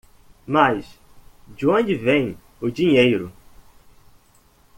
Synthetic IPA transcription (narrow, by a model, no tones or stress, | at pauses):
majs | d͡ʒɪõd͡ʒɪvẽj̃ | ʊd͡ʒĩɲejɾʊ